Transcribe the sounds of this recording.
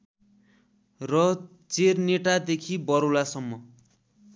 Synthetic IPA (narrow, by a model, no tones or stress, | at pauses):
rʌ | t͡serneʈad̪ekʰibʌɾolasʌmːʌ